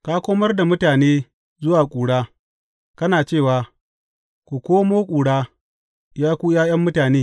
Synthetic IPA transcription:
ka˦kʷoː˦mɐ˦rda˨mʊ˦taː˨neː˦ | zʊ˦waː˨kʷʼuː˨ɽaː˦ | kɐ˦naː˨t͡ʃeː˦˨waː˨ | kʷu˨kʷoː˦moː˦kʷʼuː˨ɽaː˦ | jaː˦kʷuː˦jaː˦jɐ˦mːʊ˦taː˨neː˦

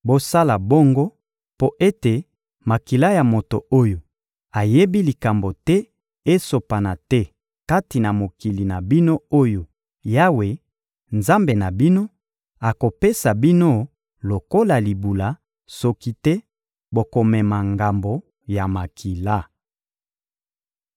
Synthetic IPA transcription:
bo˦sa˦la˨bo˦ŋɡo˦ | po˦ʔe˦te˨ | ma˨ki˨la˦ja˨mo˨to˨o˦jo˨ | a˨je˦bi˦li˨ka˨mbo˨tɛ˦ | e˦so˨pa˨na˨tɛ˦ | ka˦ti˨na˨mo˨ki˨li˨na˨bi˦no˦o˦jo˨ | ja˦we˨ | nza˦mbe˨na˨bi˦no˦ | a˨ko˨pe˦sa˨bi˦no˦ | lo˨ko˦la˨li˨bu˨la˨˦ | so˦ki˦tɛ˦ | bo˨ko˨mɛ˨ma˨ŋɡa˨mbo˨ | ja˨ma˨kʰi˨la˦˨

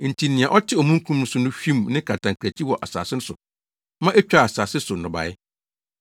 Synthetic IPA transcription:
n̩˨tʰi˨nɪ̃˨ã˨ʔɔ˦tʰɪ˦ɔ˨mũ˦ŋ˦kʰũ˦mn̩˦sʊ˦nʊ̃˦fᶣĩ˦mnɪ̃˦kʰa˨tʰã˨ŋkʰɾæ˨t͡ɕʰi˦wɔ˨ʔa̰˨sa̰ː˨sɪ˦nʊ˦sʊ̰˨ | mã˦ʔe˦t͡ɕᶣa˦˨a˨saː˨sɪ˦sʊ˨n̩nː˨ʊ̃˨ba̰˨ɪ˦

